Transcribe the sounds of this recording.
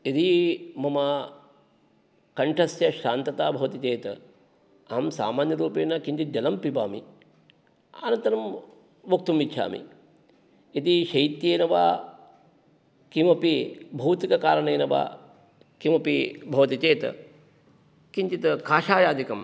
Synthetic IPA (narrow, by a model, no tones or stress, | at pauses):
et̪imɐmɐ | kɐɳʈʰɐsjɐʃaːnt̪ɐt̪aːbʱɐʋɐt̪it͡ʃeːt̪ɐ | ɐɦɐmsa̰ːmaːnjɐɾuːpeːnɐkiɲt͡ʃit̪̚d͡ʒɐlɐmpiba̰ːmḭ | a̰ːnɐnt̪ɐɾɐm | ʋuk̚t̪umʋitːʃʰa̰ːmḭ | et̪iʃɐjt̪jeːnɐʋa̰ː | kimɐpibʱɐːt̪ikɐkaːɾɐɳɐjːnɐʋa̰ː | kimɐpibʱɐʋɐt̪it͡ʃeːt̪ɐ̰ | kiɲt͡ʃit̪kaːʃaːjaːd̪ikɐm